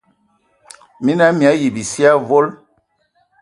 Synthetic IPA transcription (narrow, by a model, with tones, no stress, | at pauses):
mi˦na˦mi˨a˨˦ji˨bi˨si˦a˦vo˦l